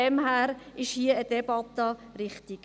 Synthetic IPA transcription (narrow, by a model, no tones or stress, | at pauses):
ɛmhæːɾɪʃhiəəd̥ɛb̥ɑt̪əɾɪχt̪iɡ